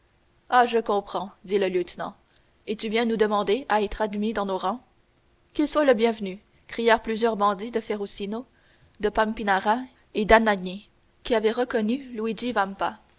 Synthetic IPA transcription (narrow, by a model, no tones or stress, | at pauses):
aʒəkɔ̃pχɑ̃d̪iləljøt̪nɑ̰̃ | et̪yvjɛ̃nud̪əmɑ̃d̪eaɛt̪χad̪mid̪ɑ̃noʁɑ̃ | kʲilswaləbjɛ̃vny | kχijɛʁplyzjœʁbɑ̃d̪id̪əfeʁosino | d̪əpampinaʁa | ed̪anaɲe | kʲiavɛʁəkɔnyluwid͡ʒivampa